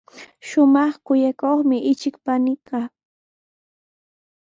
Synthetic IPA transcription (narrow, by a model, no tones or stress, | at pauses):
ʃʊmɑχkʊjakoχmɪʔɪt͡ʃɪkpanɪkɑ